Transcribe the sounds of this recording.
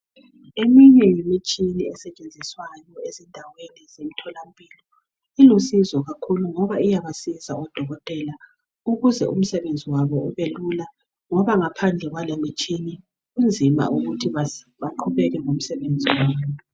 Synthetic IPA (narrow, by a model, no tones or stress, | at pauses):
emiɲɛjimit͡ʃʼiniɛsɛt͡ʃʼend͡zʱiswajɔezindʱawenizemitʰɔlampʼilɔ | ilusizɔɣakʰuluŋɔβaijaβasizaɔd̥ʱɔɣɔtʼɛla | uɣuzɛʔṵm̩sɛβend͡zʱiwaβɔuβelula | ŋɔβaŋapʰand͡ɮʱɛɣwalemit͡ʃʼini | ɣund͡zʱima̰ʔuɣutʰiβ | βaǃʰuβɛɣɛŋom̩sɛβend͡zʱiwaːββɔ